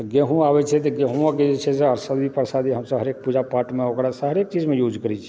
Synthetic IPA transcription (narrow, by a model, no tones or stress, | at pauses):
ɡeɦũaːʋɛt͡ʃʰɛt̪̬eɡeɦũãked͡ʒet͡ʃʰɛseəɾsad̪ipəɾsad̪iɦəmsəbɦəɾeːk̚pud͡ʒapaːʈmẽɦokɾasəɦəɾeːk̚t͡ʃiːd͡ʒmẽjuːd͡ʒkəɾit͡ʃʰ